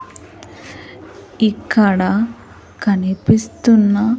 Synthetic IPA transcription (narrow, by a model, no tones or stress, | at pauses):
ikʰːɐɽɐ | kɐnipist̪unːɐ